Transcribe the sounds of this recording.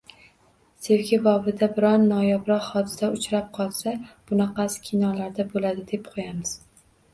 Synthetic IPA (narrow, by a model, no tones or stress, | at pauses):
sewkʲʰɪbɒvɪd̪abɪɾɒnːɒjɒbɾɒqhɒd̪ɪsaʊt͡ʃɾap̚qʰɒlˠsab̥ʊnɑqʰɑskʲʰinɒlaɾd̪abolad̪ɪd̪e̞p̚qʰojamɪz̥